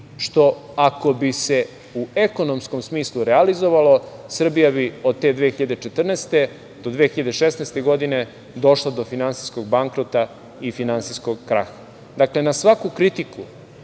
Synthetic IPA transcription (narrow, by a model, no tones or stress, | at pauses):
ʃt̪o̞ako̞bise̞ | ueko̞no̞msko̞msmiːslˠuɾealizo̞ʋalosr̩bijabio̞d̪̚t̪e̞d̪ʋeːxiʎad̪et͡ʃet̪r̩nest̪e | d̪o̞d̪ʋexiʎad̪eʃesnɛst̪e̞ɡo̞d̪ine̞ | d̪o̞ʃlad̪o̞finansisko̞ɡ̚baŋkɾot̪a | ifinansisko̞ɡːɾa̰xa | d̪akle̞nasʋakukɾit̪iku